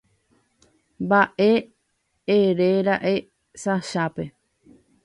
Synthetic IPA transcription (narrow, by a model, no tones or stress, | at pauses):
mbaʔe | eɾeɾaʔe | saʃape̞